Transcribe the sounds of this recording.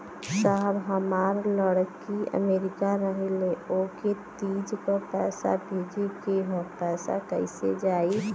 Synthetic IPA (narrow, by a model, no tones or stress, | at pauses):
səɦbɦəmaːɾləɽkiə̰meːɾɪkaɾəɦleoket̪iːd͡ʒkəpɛːsa̰bʱeːd͡ʒekeɦopɛːsa̰kəisḛd͡ʒaːi